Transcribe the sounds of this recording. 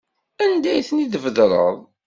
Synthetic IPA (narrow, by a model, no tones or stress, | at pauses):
ænd̪æjθəniðəvəðɾˤə̰ðˤ